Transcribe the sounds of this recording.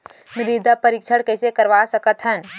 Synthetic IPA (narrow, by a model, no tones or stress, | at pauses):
mɪɾid̪apəɾikt͡ʃʰəɽkɛːsekəɾʋasəkət̪ɦən